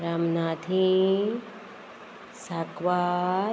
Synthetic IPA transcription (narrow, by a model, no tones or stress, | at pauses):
ɾaːmnaːd̪ʱi | sakʋaː